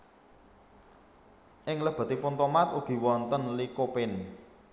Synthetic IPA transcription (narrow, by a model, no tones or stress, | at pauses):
ʔɪŋləb̥a̤t̪ipʊnt̪omat̪uɡ̥i̤wɔnt̪ənlikopɪn